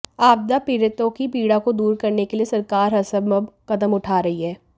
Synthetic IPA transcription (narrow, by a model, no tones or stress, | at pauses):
aːb̚d̪apiːɾɪt̪õkipiːɽakod̪uːɾkɐɾnekeliesɐɾkaːɾɦɐsəbməbkɐd̪əmʊʈʰaːɾɐɦiɦɛː